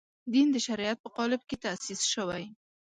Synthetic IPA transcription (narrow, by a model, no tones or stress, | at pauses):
d̪ind̪əʃaɾjat̪̚pəqɑlɪb̚ket̪asisʃəwaj